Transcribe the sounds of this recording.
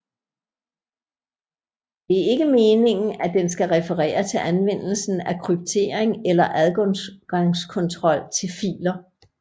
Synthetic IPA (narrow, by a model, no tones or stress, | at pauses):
d̥e̝æɐe̝ɡ̥əme̝ːne̝ŋn̩æd̥ensɡ̥æʁɛfəʁɛ̰ːɐt͡sʰe̝lʔænʋen̰l̩sn̩ækʰʁyb̥̚t͡sʰe̝̰ːɐ̰eŋelɐʔæðˠɡ̥ɒ̽ŋɡ̥ɑ̈ŋskʰɔ̽nt͡sʰʁɒ̽l̰t͡sʰe̝lfḭːlɐ